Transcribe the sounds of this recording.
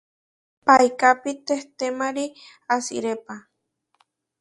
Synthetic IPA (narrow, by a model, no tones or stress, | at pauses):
pajkapit̪eht̪emaɾi | asḭɾepa